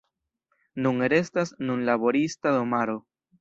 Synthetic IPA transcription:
nuŋeɾe̞stasnunlabo̞ɾistado̞maɾo

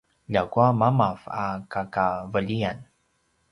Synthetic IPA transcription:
ʎakuamamava̰kakavəʎian

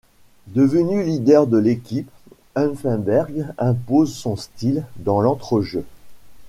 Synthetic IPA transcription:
d̪əvənylid̪ɛʁd̪əlekʲip | anfɛ̃bɛʁɡɛ̃pozsɔ̃st̪ild̪ɑ̃lɑ̃t̪χəʒø

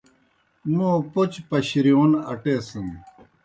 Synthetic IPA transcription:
nõːpot͡ɕpɐɕɾijoːnɐʈeːsən

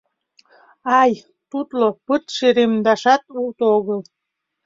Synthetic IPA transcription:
ɑj | t̪ut̪lopɨt̪ʃeɾemd̪ɑʃɑt̪ult̪oɣəlˠ

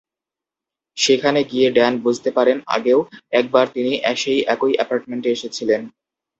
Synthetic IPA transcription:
ʃekʰaneɡijeɖɛnbud͡ʑʱt̪epaɾena̰ɡeoɛk̚baɾt̪iniʔɛʃejʔɛkojɛpaɾʈ̚meɳʈeeʃet͡ɕʰilen

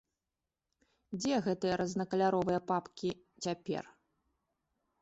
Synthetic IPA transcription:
d͡zʲɛɣɛt̪ɨjɐɾɐznɐkɐlʲaɾɔvɨjɐpapkʲi | t͡sʲapʲɛ̰r

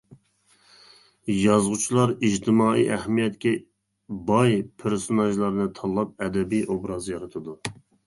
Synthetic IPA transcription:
jɑzʁut͡ʃʰilˠɑɾiʒt̪ʰɪmɑːḭʔɛhmijɛt̪kʲɛ | bɑjpʰɪɾsonɑʒlˠɑɾnɨt̪ʰɑlˠːɑp̚ɛd̪ɛbijʔobɾɑzjɑɾɨt̪ʰɨd̪u

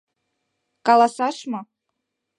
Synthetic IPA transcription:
kɑlˠɑsɑʂmɑ

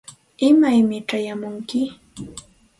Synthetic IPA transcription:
ɪmajmɪʈ͡ʂajamʊŋkɪ

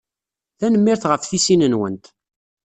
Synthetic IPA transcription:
θænəmːiɾθʁəfθisinənwə̰nt̪

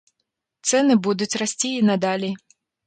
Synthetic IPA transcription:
t̪sɛnɨbud̪ut͡sʲrasʲt͡sʲiːnad̪alʲi

